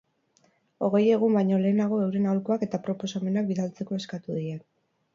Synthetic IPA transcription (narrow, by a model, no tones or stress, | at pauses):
o̞ɣ̞e̞je̞ɣ̞umbajɲo̞le̞ːnaɣ̞o̞ewɾe̞nawlkoake̞t̪apɾo̞po̞same̞nak̚biðalt͡se̞ko̞e̞skat̪uðien